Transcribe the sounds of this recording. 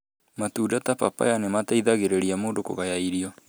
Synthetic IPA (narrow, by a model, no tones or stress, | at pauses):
matuːdatapapa̰janemataiðaɣeɾeɾiamoːndoko̰ɣajaiɾiɔ